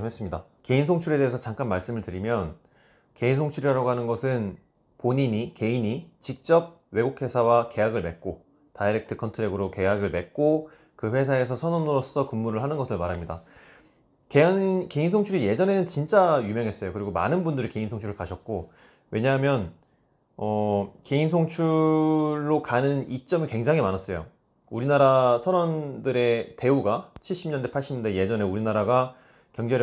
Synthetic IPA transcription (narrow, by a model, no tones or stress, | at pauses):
wes͈ɯmɲida | ke̞insʰoŋt͡ɕʰuɾe̞de̞ːsʰʌt͡ɕaŋk͈anmaɭs͈ɯmɯɭtɯɾimjʌn | ke̞insʰoŋt͡ɕʰuɾiɾaɾaɡoɦanɯnɡʌsʰɯn | poɲiɲike̞iɲit͡ɕik̚t͡ɕ͈ʌb̚ | we̞ɡukʰwe̞sʰawake̞jaɡɯɭme̞k̚k͈o | taiɾek̚tʰɯkʰʌntʰɯɾeɡɯɾoke̞jaɡɯɭme̞k̚k͈o | kɯɸwe̞s̬ʰae̞sʰʌsʰʌnonɯɾos͈ʌkumːuɾɯɭɦanɯnɡʌsʰɯɭmaɾɦamɲida̰ | kekeinsʰoŋt͡ɕʰuɾije̞d͡ʑʌne̞nɯnt͡ɕint͡ɕ͈ajumjʌŋɦes͈ʌjokɯɾiɡoma̰nɯnbundɯɾike̞insʰoŋt͡ɕʰuɾɯɭkaɕʰʌt̚k͈o | we̞ɲaɦmjʌn | ʌke̞insʰoŋt͡ɕʰu | ɭːokanɯnit͡ɕ͈ʌmikwe̞ŋd͡ʑaŋɦimanas͈ʌjo̰ | uɾinaɾasʰʌnʌndɯɾe̞te̞uɡat͡ɕʰiɭɕ͈imɲʌndepʰaɭɕ͈imɲnde̞je̞d͡ʑʌne̞uɾinaɾaɡa | kjʌŋd͡ʑeɾ